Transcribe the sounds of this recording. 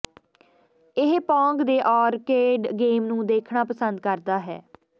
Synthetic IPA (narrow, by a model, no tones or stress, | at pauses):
ɪɦpɔ̃ːŋɡd̪eːʔɔːɾkeːɖɡeːmnũːd̪eːkʰɳaːpəsənd̪̚kəɾd̪aːɦɛ̰ː